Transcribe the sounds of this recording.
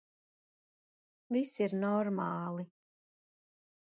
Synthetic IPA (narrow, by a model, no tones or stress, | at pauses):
visiɾnɔɾmaːlˠi